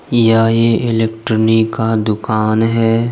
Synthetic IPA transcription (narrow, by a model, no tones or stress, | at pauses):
jaːjeɪlekʈɾənikad̪ʊkaːnɦɛː